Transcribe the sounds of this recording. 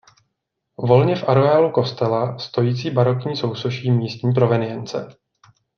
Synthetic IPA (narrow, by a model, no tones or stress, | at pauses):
vo̞lɲɛfʔaɾoaːluko̞st̪ɛlast̪o̞jiːt͡siːbaɾo̞kɲiːso̞wsoʃiːmiːst̪ɲiːp̬ɾo̞vɛnɪjɛnt͡sɛ̰